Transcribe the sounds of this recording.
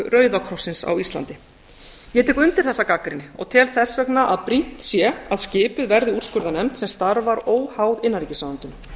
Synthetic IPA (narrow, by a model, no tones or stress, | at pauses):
ʏrœːɥðakʰɾɔsːɪnsa̰wist̪la̰nt̪ɪ | jɛt̪ʰɛkʏnt̪ɪɾ̥θɛsːakakɾɪnːɪɔ̰ɣt̪ʰɛlθɛsːœknaʔaðpɾin̥t̪sjɛaðscɪːpʏðvɛɾðɪuɾ̥skʏɾðanɛmt̪sɛmst̪aɾvaɾoːwhaːwðɪnːaɾicɪsaːðant̪ʏn